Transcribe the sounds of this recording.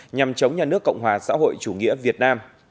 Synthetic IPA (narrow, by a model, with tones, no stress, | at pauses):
ɲa˨˩mt͡ɕə˨˦wŋ͡mɲaː˨˧˩nɨ˦˥əkːə̰˧˨wŋ͡mɦwaː˨˩sa̰ː˧˥ɦo̰˧˨jt͡ɕu˧˩ŋḭ˧˥əvi˨˩ət̚naː˧m